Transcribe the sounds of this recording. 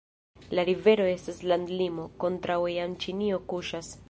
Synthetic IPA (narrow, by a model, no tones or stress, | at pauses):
laɾive̞ɾo̞e̞staslandlimo̞ko̞ntɾawejant͡ʃinio̞kuʃas